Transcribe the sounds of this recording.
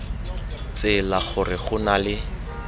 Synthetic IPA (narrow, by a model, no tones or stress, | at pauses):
t͡sɪlaχʊrɪχʊnalɪ